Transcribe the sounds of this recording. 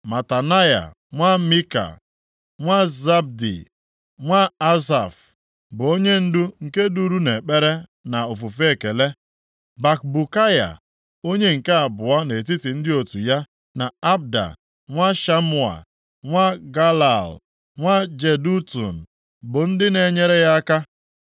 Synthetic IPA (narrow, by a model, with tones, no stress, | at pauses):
ma˨ta˨na˦ja̰˨ | ŋʷa˦mi˦ka̰˨ | ŋʷa˦za˦b̚dḭ˨ | ŋʷa˦a˦sa̰˨f | bʊ˨o˦ɲe˦n̩˦dʊ˦ŋ̩˨ke˦du˦ɾu˦ne˨k͡pe˦ɾe˦na˨o˨fu˨fe˦e˦ke˨le˦ | ba˨k̚bu˨ka˦ja̰˨ | o˦ɲe˦ŋ̩˨ke˦a˨bʊ˨a˦ne˨t̬i˦ti˨n̩˦dɪ˦o˨tu˨ja˦ | na˨a˦b̚da̰˨ | ŋʷa˦ʃa˦mʊ˦˨a̰˨ | ŋʷa˦ɡa˦la˨l | ŋʷa˦d͡ʒe˨du˦tṵ˨n̩˨ | bʊ˨n̩˦dɪ˦ne˨ɲe˦ɾe˦ja˦ka˦